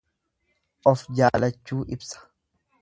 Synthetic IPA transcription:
ʔɔfd͡ʒaːlɐt͡ʃːuːʔɪbsɐ̥

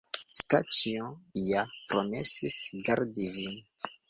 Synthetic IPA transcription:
stat͡siɔ̃ | japɾomɛsisɡaɾdivin

